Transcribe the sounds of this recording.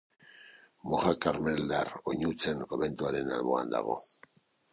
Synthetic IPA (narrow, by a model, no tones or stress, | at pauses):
moɣakaɾme̞ld̪aroɲut͡se̞ŋko̞βe̞nt̪uaɾe̞nalβo̞a̰nd̪a̰ɣo̞̰